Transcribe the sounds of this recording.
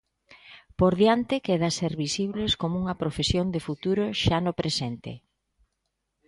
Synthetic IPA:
poɾðjant̪ɪkeðaseɾβisiβleskomʊuŋɐpɾofesjond̪efut̪uɾoʃanopɾesent̪ḛ

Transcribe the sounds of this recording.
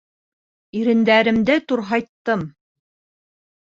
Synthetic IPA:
iɾɘ̆nd̪æɾɘ̆md̪ɘt̪uɾɦɑjt̪ːɤm

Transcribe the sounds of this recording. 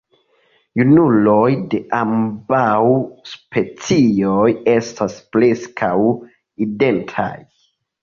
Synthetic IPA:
junulojde̞ʔambawspʰe̞t͡sioje̞staspleskʰaw | ide̞ntʰa̰j

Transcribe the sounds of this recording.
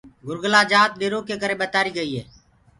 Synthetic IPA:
ɡʊɾɡəlaːd͡ʒaːt̪̚ɗeːɾoːkeːkəɾeːɓət̪aːɾiːɡəiːɦḛː

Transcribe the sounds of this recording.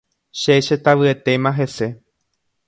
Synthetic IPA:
ʃeʃet̪aʋɨet̪e̞mãɦe̞se̞

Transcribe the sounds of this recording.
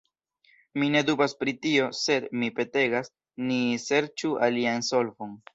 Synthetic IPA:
mine̞dubaspɾitio̞se̞dmipe̞te̞ɡas | nise̞ɾt͡ʃualianso̞lvo̞n

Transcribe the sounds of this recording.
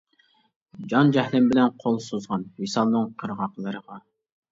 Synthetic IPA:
d͡ʒɑnd͡ʒɛhlɪmbɪlɛnqʰolˠsozʁɑnwisɑlˠnɨŋqʰəɾʁɑqlˠəɾəʁɑ

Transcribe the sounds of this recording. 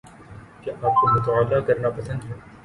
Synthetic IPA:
keʔaːp̚komʊt̪ɐaːlːaːkɐɾnapɐsə̃nd̪ɦɛː

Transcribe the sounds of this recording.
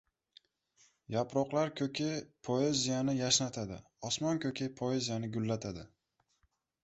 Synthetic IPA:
japɾɒqlˠaɾkʲʰɵkʲʰɪpʰoezijanɪjaʃnat̪ʰad̪ɪ̰ | ɒsmɒnkʲʰɵkʰʲapʰoezijanɪɡʊlːat̪ʰad̪ɪ

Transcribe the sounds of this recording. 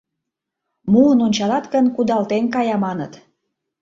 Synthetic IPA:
muənonʲt͡ɕɑlɑt̪kənkud̪ɑlt̪enkɑjɑmɑnə̰t̪

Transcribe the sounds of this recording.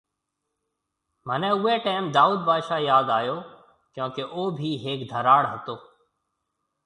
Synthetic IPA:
mənɛ̃ːʊeːʈaːɪmd̪aːuːd̪̚baːʃaːjaːd̪aːjoː | kjõːkeʔoːbʱiːɦeːkd̪ʱəɾaːɽɦət̪oː

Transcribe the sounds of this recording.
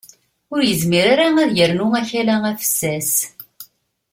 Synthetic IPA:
ʊɾjəzmiɾaɾaæðjəɾnʊæçælææfə̥sːæs

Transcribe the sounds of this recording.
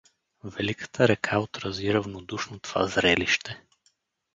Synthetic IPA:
vɛlikə̥t̪ʰəɾɛkʰaot̪ɾɐziɾəvnod̪uʃnot̪ova̰zɾɛliʃt̪ɛ

